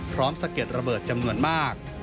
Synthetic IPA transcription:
pʰɾɔː˦˥msa˧ke˨˩t̪̚ɾa˧bɤː˨˩t̪̚t͡ɕa˧mnu˧ənmaː˥˩k̚

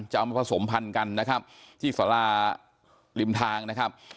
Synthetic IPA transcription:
nt͡ɕa˨ʔa˧ma˧pʰa˧so˩˦mpʰa˧nka˧nːa˦˥kʰa˦˥p̚t̪ʰiː˥˩saː˩˦laː˧˩ | li˧mt̪ʰaː˧ŋna˦˥kʰa˦˥p̚

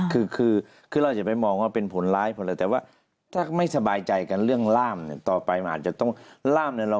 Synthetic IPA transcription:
kʰɯː˧kʰɯː˧ | kʰɯː˧ɾa˧wt͡ɕa˨˩pa˧jmɔː˧ŋwaː˧˩pe˧npʰo˨˦nlaː˦˥jpʰɔ˧nlɤː˧˩t̪ɛː˨˩waː˥˩ | t̪ʰaː˥˩ma˥˩jsa˧baː˧jt͡ɕa˧jka˧nɾɯ˥˩əŋlaː˥˩mni˧˩t̪ɔː˨˩pa˧jʔaː˨˩t͡ɕa˨˩t̪ɔ˥˩ŋlaː˥˩mni˧˩ɾa˧

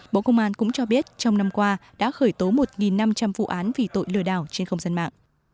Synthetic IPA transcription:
ɓo̰˧˨kə˧wŋ͡mʔaː˧nkʊ̰˧˥ŋ͡mt͡ɕɔ˧ɓi˦˥ət̚t͡ɕɔ˧wŋ͡mna˧mkwaː˧ɗa̰ː˧˥xəː˧˩jt̪o˨˦mo˨˩t̚ŋi˨˩nːa˧mt͡ɕa˧mvṵ˧˨ʔaː˨˦nvi˨˩t̪o̰˧˨jlɨ̰˧˨əɗa̰ː˧˩wt͡ɕe˧nxə˧wŋ͡mzaː˧nma̰ː˧˨ŋʔ

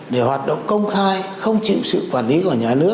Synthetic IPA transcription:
ɗe˧˩hwaː˨˩t̚ɗə̰˧˨wŋ͡mkə˧wŋ͡mxaː˧jxə˧wŋ͡mt͡ɕḭ˧˨wsɨ̰˧˨kwaː˧˩nli˨˦ku˧˩ɲaː˨˩nɨ̰˦˥ək̚

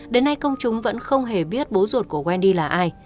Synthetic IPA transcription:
ɗe˨˦nːa˧jkə˧wŋ͡mt͡ɕʊ˨˦ŋ͡mvə̰˧˥nxə˧wŋ͡mɦe˧˩ɓi˦˥ət̚ɓo˨˦zo˨˩t̚ku˧˩əkwɛ˧nɗi˧laː˨˩ʔaː˧j

